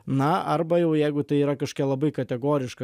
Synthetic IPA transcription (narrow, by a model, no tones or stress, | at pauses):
nɐʔɐɾbɐjɛʊjɛɪɡʊt̪ɐɪiːɾɐkɐʃkʲɛlˠɐbɐɪkɐt̪ʲɛɡoːɾʲɪʃkɐ